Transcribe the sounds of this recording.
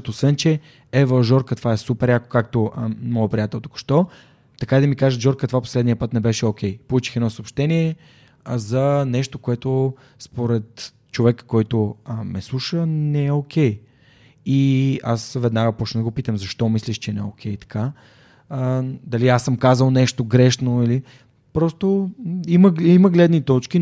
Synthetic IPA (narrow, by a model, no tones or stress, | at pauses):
t̪osvɛnt͡ʃɛ | ɛvəʒɔɾkət̪vaɛsupɛɾjako̥kak̚t̪omɔjɛpɾijat̪ɛlˠt̪u̥kʊ̥ʃt̪ɔ | t̪ɐkaid̪ɐmikaʒət̪ʒɔɾkət̪vapo̥slɛd̪nijəpɤt̪nɛbɛʃɛokʲʰɛjpolˠut͡ʃi̥xɛd̪ɔsoːpʃt̪ɛniɛ | zɐnɛʃt̪okoɛt̪o | spoɾɛt̪ | t͡ʃovɛkə̥kːɔjt̪omɛslˠuʃənɛɛokʲɛj | ia̰svɛd̪naɡəpɔt͡ʃnɛd̪ɡopit̪əmzɐʃt̪ɔmisliʃt͡ʃɛnɛɛokʲʰɛjt̪ɐ̥kʰa | d̪ɐliasəmkazəlˠnɛʃt̪oɡɾɛʃnoili | pɾɔst̪oiməiməɡlɛd̪nit̪ɔt͡ʃki